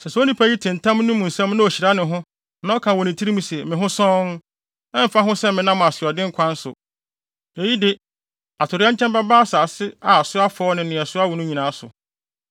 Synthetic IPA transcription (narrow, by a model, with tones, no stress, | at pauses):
sɛ˨sɛ˨˦o˦nĩ˦pʰa˦ji˦tʰɪ̃˨n̩˨tʰã˦mnʊ̃˦mũ˨n̩˨sɛ̃˦m˦nʊ̃˦o˨ɕi˨ɾa˦nɪ̃˨ɦʊ̃˦ | nã˦ɔ˦kʰã˨wɔ˨nɪ̃˨tʰi˦ɾi˦mũ˦sɛ˨mɪ̃˨ɦʊ̃˦sɔ̃˦n | ɛ̃˦m̩˨fa˦ɦʊ̃˦sɛ˦mɪ̃˨nã˦m˨a˨sɪ˨ɔ˨dɪ̃˦ŋ̩˦kʷʰã˦n̩˦sʊ̰˨ | e˨ji˦dɪ˦ | a˨tʰʊ˨ɾɪ˦a˦ɲ̩ʰ˦ɛ̃˦mba˦baː˦sa˨sɪ˦a˨sʊ˦a˦fɔː˦nɪ̃˨nɪ̃˨ɛ˨sʊ˦a˦wɔ˨nʊ̃˦ɲĩ˨nãː˨˦sʊ̰˨